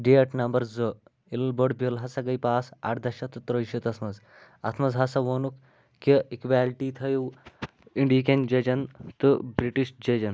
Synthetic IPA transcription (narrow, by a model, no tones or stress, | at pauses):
ɖeɐʈnɐmbɐɾzo | ilbɐɖbilɦɐsɐɡɐjpaːsa̰ʈd̪ɐʃɐt̪ɨt̪ɾəjʃit̪ɐsmɐz | ɐ̰t̪ʰmɐzɦɐsɐʋoːnuk | kːiikʋaːlʈit̪ʰɐjuw | iɳɖiːkend͡ʒɐd͡ʒɐnt̪ɨbɾiʈiʃd͡ʒɐd͡ʒɐn